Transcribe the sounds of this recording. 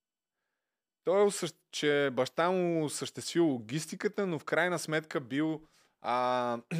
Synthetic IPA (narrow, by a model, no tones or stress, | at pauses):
t̪ɔɛʊsəʃ | t͡ʃɛbɐʃt̪amusəʃt̪ɛst̪vilˠʊɡ̟ʲist̪ikət̪ənofkɾajnəsmɛt̪kəbilˠ